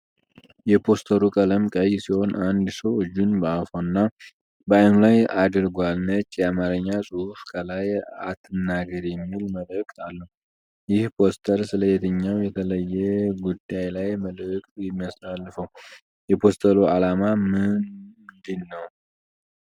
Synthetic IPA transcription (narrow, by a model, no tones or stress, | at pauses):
jɛpʰo̞st̪ʰəɾukʼələmkʼəjsiho̞nʔand̪səwɨd͡ʒːunbəafoɨnːa | bəajnulajad̪ɨɾɡwalnət͡ʃʼːjamaɾəɲːasʼuhufkʼʰəlajat̪ʰːɨnːaɡəɾjɛmːilməlɨkʼalːəhu | jɪhpʰo̞st̪ʰəɾsɨləjet̪ʰəɲːawjɛt̪ʰələjːɛɡud̪ːajlajməlɨkʼjɪmːjasalːfəw | jɛpʰo̞st̪ʰəloalamamɨnd̪ɨlːəw